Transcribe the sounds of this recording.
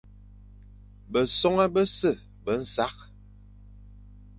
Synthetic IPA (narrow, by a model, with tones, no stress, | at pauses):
bə˨sɔ˦ŋa˦bə˦sə˦˨ | bə˨˦n̩˦sa˦k̚